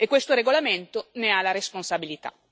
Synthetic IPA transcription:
ekːwest̪oɾeɡolament̪onealaɾesponsabilit̪a̰

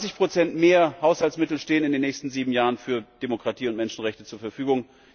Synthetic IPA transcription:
t͡sɪçpʁ̥ot͡sɛntmeːɐhaʊshaltsmɪtl̩ʃteːənɪndeːnːɛːçstn̩ziːbm̩jaːʁənfyːɐd̥emokʁ̥atʰiːʊntmɛnʃn̩ʁɛçtət͡suːɐfɛɐfyːɡʊŋ

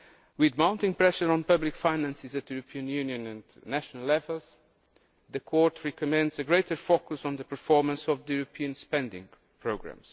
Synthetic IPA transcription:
wɪðmãʊ̃ntɪ̃ŋpɹɛʃə˞ɔ̃npʌblikfaɪnæ̃nsɪzɨt̪juɾɨpʰiɨ̃njʉnjɨ̃nɨ̃ndnæʃənəlɛvəlˠz̥ | ðɨkʰɔɹtʰɹɛkɔmɛ̃ndzɨɡɹeɪtə˞fokusn̩ðəpəɹfɔɹmə̃nsɔvðjuɾɨpʰiɨ̃nspɛ̃ndɪ̰̃ŋ | pʰɹoɡɹæ̰̃mz̥

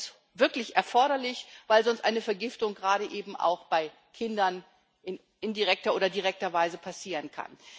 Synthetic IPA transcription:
v̥ɪɐklɪçʔɛɐfɔɐɾɐlɪçv̥aɪlzɔnstʔa̰ɪnəfɛɐɡɪftʊŋɡʁaːɾəʔeːbm̩ʔa̰ʊxb̥aɪ | kʰɪndɐn | ʔɪn | ɪndiʁɛk̚tɐʔoːdɐdiʁɛk̚tɐvaɪzəpʰasiːʁənkʰa̰n

